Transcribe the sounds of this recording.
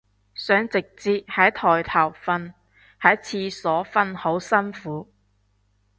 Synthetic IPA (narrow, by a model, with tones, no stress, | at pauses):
sœː˨˥ŋt͡sɪ˨k̚t͡siː˧t̚hɐ˨˥jt̪ʰɔː˨˩jt̪ʰɐ˨˩wfɐ˧n | hɐ˨˥t͡sʰiː˧sɔː˨˥fɐ˧nho˨˥wsɐ˥nfuː˨˥